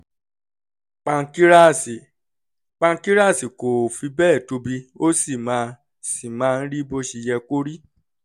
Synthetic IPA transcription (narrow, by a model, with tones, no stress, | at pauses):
k͡pã˧ki˦ɾa˦˨si˨ | k͡pã˧˦ki˦ɾa˦˨si˨ko˨fi˧bɛː˦˨to˧˦bi˧˦o˦si˦˨mã˨˦ | si˦˨mãː˦˧n̩˦ɾi˦bo˧ʃi˧jɛ˧ko˦ɾi˦